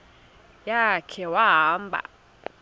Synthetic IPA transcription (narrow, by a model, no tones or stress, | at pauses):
jakʰɛwaɦaːmbʱa̰